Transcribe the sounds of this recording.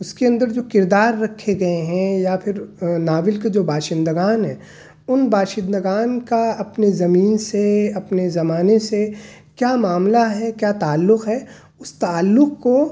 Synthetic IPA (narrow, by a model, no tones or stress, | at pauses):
ʊskeɐ̃nd̪əɾd͡ʒoːkɪɾd̪aːɾːɐkʰːeɡɐeɦɛ̃japʰɪɾnaːʋɪlked͡ʒoːbaːʃɪ̃nd̪əɡaːnɦɛ̰̃ː | ʊnbaːʃɪ̃nd̪əɡaːnkaɐpnezɐmiːnseɐpnezɐmaːnesekjaːmaːmlaɦɛkjaːt̪aːlːʊqɦɛ | ʊst̪aːlːʊqko